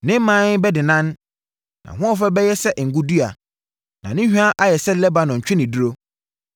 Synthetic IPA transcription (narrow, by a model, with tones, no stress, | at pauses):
nɪ̃˦m˦mã˦n˦bɛ˦dɪ˨nã˦n | nã̰˨ɦʊ̃˦ɔ˦fɛ˦bɛ˦jɛ˦sɛ˦ʔŋ̩˨ɡũ˦du˦a̰˨ | nã˨nɪ̃˦hᶣu˦a˦ʔa˦jɛ˨sɛ˦lɛ˦ba˨nɔ̃˨ɲ̩˨t͡ɕᶣʰɪ˦nɪ̃˨du˦ɾo˦